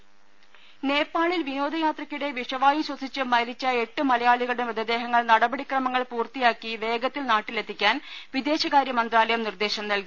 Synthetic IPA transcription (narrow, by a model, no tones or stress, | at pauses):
ne̞ːpːaːɭilʋino̞ːd̪ɐjaːt̪rɐkʲːuɽe̞ʋiʂɐʋaːjiɕwɐsit͡ɕːɨmɐlit͡ɕːɐe̞ʈːɨmɐlɐjaːɭiɣɐɭɽemʋɐd̪ɐd̪e̞ːɦɐŋːɐɭnɐɽɐbɐɽikrɐmɐŋːɐɭpuːrt̪ijaːkːiʋe̞ːɡɐt̪ːilnaːʈːile̞t̪ʰːikʲːaːnʋid̪e̞ːɕɐɣaːɾjɐmɐnd̪raːlɐjɐmnird̪e̞ːɕɐmnɐlɡi